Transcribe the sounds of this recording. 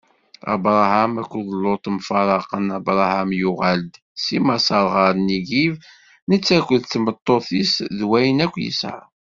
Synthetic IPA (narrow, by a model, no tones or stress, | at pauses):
ɑ̰bɾˤɑhæmækʷːðˤlːot̪ˤmfɑɾˤɑqənɑbɾˤɑhæmjʊʁæld̪ | simɑsɑɾˤʁəɾniɡiv | nət͡sːækʷːəðθmət̪ˤːoθisðwæjənækʷːjə̰sʕ̰a̰